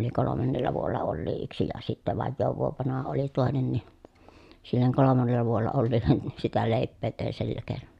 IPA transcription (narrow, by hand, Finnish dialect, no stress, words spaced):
oli kolomɑnːelːɑ ʋuolːɑ olːiː yksi jɑ sitːæ ʋɑjːoːʋ ʋuoʋ ʋɑnɑhɑ oli toˑenen ni silːeŋ kolomɑnːelːɑ ʋuolːɑ olːiːlːen ni sitæ leˑi̯pːeː teˑi̯n silːæ keːnon